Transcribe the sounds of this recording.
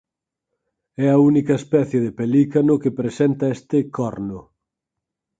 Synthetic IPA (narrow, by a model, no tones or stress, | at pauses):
ɛɐunikɐespɛθjeðepelikanʊkepɾesɛnt̪ɐest̪ɪkɔɾnʊ